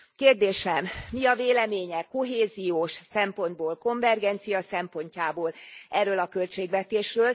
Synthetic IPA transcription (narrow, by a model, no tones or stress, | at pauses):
keːrd̪eːʃɛmːiɒveːlɛmeːɲɛkːo̞ɦeːzijoːʃsɛmpo̞nd̪̚boːlko̞ɱvɛrɡɛnt̪sijɒsɛmpo̞ɲcaːboːlʔɛrːøːlɒkø̞lt͡ʃeːɡʋɛt̪eːʃrøːl